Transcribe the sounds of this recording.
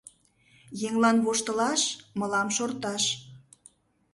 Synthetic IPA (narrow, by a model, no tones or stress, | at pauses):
jeŋlɑnβoʃt̪ə̆lɑʃməlɑmʃort̪ɑʃ